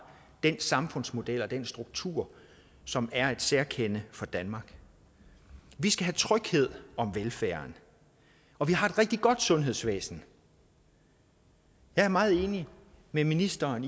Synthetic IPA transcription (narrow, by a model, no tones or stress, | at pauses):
d̥ensɑ̈mfɔ̽n̰smo̝d̥el̰ɒ̽d̥ensd̥ʁuɡ̥̚t͡sʰṵːɐ̰ | sɒ̽mæɐe̝d̥seɐkʰenəfɒ̽d̥ænmɑ̈ːɡ̥ | ʋisɡ̥æɦæt͡sʰʁœɡ̥he̝ð̞̰ˠɒ̽mʋelfæːɐn | ɒ̽ʋiɦɑ̈e̝d̥ʁɛɡ̥̚d̥iɡ̥ɒ̽d̥sɔ̽nɦe̝ð̞̰ˠsʋḛːsn̩ | jɑ̈ɪæɐmɑ̈ːð̞̩ˠe̝ːni | meminisd̥ɐːn